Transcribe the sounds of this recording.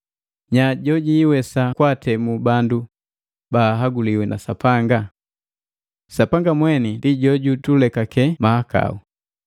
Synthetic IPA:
ɲaɟɔɟiːwɛsakwatɛmubandu | baːɦaɡuliwɛnʔa̰sapaŋɡa | sapaŋɡamwɛnindiɟɔɟutulɛkakɛmahaka̰u

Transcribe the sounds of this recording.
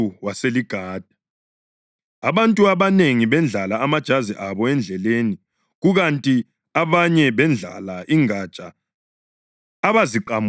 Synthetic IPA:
uwaseliɡ̥ʱaːd̥ʱa | aβantʼuaβaneŋiβɛnd͡ɮʱalaːmad̥ʒ̥ʱaziʔaβɔɛnd͡ɮʱɛleni | ɣuɣantʼi | aβaɲɛβɛnd͡ɮʱa̰laʔiŋad̥t͡ʃʼa | βaziǃam

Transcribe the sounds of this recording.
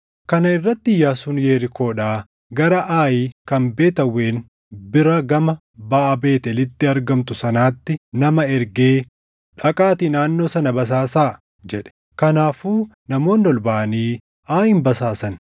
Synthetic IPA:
kɐnɐɪrːɐt̪ːɪɪjːaːsʊnjeːɾɪko̞ːᶑaː | ɡɐɾɐʔaːjiːkɐmbe̞ːt̪ɐwːe̞ːn | bɪɾɐɡɐmɐ | baʔɐbe̞ːt̪ɛlɪt̪ːɪɐɾɡɐmt̪ʊsɐnaːt̪ːɪnɐmɐɛɾɡeː | ᶑɐkʼaːt̪ɪnaːnːo̞ːsɐnɐbɐs̬aːsaː | d͡ʒɛᶑɛ̥ | kɐnaːfuː | nɐmo̞ːnːɔlbaʔɐniː | aːhɪmbɐsaːsɐn

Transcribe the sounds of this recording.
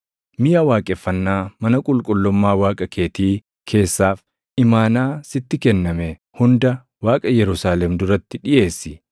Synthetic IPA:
mɪjaːwaːkʼɛfːɐnːaːmɐnɐkʼʊlkʼʊlːɔmːaːwaːkʼɐkʰe̞ːt̪iː | kʰe̞ːsːaːf | ɪmaːnaːsɪt̪ːɪkɛnːɐmɛ | hʊnd̪ɐ | waːkʼɐjɛɾʊsaːlɛmd̪ʊɾɐt̪ːɪᶑɪje̞ːsːɪ

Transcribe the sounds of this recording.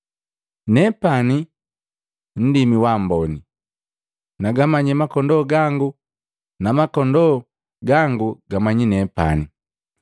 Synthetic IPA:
nɛpani | n̩dimiwambɔni | naɡamaɲɛmakɔndɔɡaŋɡu | namakɔndɔ | ɡaŋɡuɡamaɲinɛpa̰ni

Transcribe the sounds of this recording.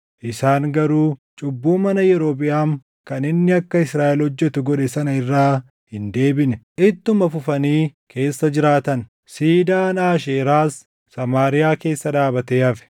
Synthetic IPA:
ʔɪsaːŋɡɐɾuːt͡ʃʼʊbːuːmɐnɐjɛɾoːp̬ʼɪjaːŋ | kɐnɪnːɪɐkːɐɪsɾaːʔɪlhɔd͡ʒːɛt̪ʊɡɔᶑɛsɐnɐɪrːaː | hɪnd̪e̞ːbɪnɛʔɪt̪ːʊmɐfʊfɐniːkʰe̞ːsːɐd͡ʒɪɾaːt̪ɐn | siːd̪aːnaːʃ̬eːɾaːsː | ɐmaːɾɪjaːke̞ːsːɐᶑ̪aːbɐt̪eːɐfɛ̥

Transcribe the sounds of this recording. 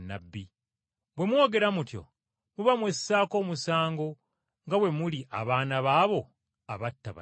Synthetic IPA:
na̰bːi | bwe̞mwo̞ːɡe̞ɾamutjo̞̰ | muβamwesːaːko̞ːmusaːŋɡo̞ | ŋɡawe̞muliʔa̰βaːnaβaːβo̞ | aβatːaβa̰

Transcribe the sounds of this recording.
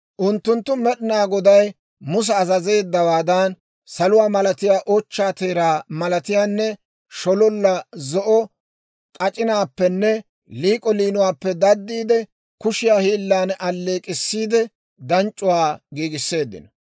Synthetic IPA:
ʔʊnt̪ːʊnt̪ːʊmɛɗɪnaːɡɔd̪ɐj | mʊs̬ɛɐzɐze̞ːd̪ːɐwaːd̪ɐn | sɐlʊwaːmɐlɐt̪ɪjaːʔɔt͡ʃːaːt̪eːɾaːmɐlɐt̪ɪjaːnːɛ | ʃɔlɔlːɐzɔʔɔ | kʼɐt͡ʃʼɪnaːpːɛnːɛ | liːkʼɔliːnʊwaːpːɛd̪ɐd̪ːiːd̪ɛ | kʊʃɪjaːhiːlːaːnʔɐlːe̞ːkʼɪsːiːd̪ɛ | d̪ɐnt͡ʃʼːʊwaːɡiːɡɪsːe̞ːd̪ːɪ̰nɔ

